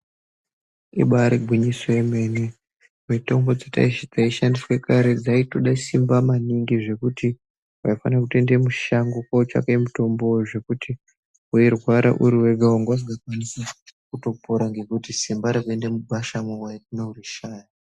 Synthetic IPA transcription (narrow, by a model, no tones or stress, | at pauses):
ḭɓaɾiɡʱwiɲisoeme̞ːni | mito̞mbo̞d͡zeta̰iʃd͡zaiʃandiswe̞kaɾe̞d͡zaitoɗaisimbamaniŋɡiʐe̞kuti | waifanrak̬ute̞ndemu̥ʃaŋɡokot͡ʃa̰kaimuto̞mbojuʐe̞kuti | ujerwaɾa̰ʔuɾiwe̞ɡʱauŋɡas̬iɡakwanisakuto̞poɾaŋɡe̞kutisimbaɾakue̞ndemuɓaʃamowatineuriʃaːja